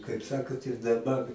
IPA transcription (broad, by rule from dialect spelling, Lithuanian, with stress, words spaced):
kɐɪp ˈsɑːkoːt ɪr dɐˈbɐr